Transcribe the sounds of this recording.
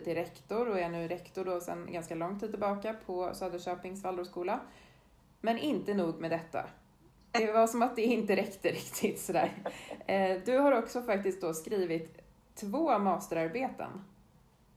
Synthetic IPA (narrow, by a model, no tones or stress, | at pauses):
t̪ɪɾɛkt̪ʊɾɔɛnʉ̟ːɾɛkt̪ʊɖɔsɛ̰nɡanskalɔŋt̪ʰiːd̪ɪlbɑːkapʰɔsøːd̪əʂøːpɪŋsvalʊʂkuːla | mɛnʔɪnt̪ənuːɡmɛːd̪ɛt̪ːa̰ | d̪ɛvaʂɔmat̪̚d̪ɛɪnt̪əɾɛkt̪əɾɪkt̪ʰɪt̪sɔd̪æ̰ːɾ | d̪ɵhaɾɔksɔfakt̪ɪskt̪̚d̪ɔskɾiːvɪt̪ʰː | voːmɑːst̪əɾaɾbeːt̪ʰə̰n